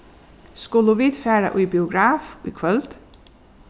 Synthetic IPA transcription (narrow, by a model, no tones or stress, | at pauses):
skʊləʋiːd̪̥fæːɹə̰ʔuːbɪʊɡɾɑːfṵːkʰʋœlt̪